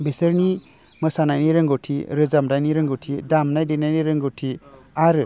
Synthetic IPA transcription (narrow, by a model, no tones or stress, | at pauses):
besɯɾni | mɯsanajniɾɯŋɡɔtʰiɾɯzamdajniɾɯŋɡɔtʰidamnajdenajniɾɯŋɡɔtʰi | aɾɯ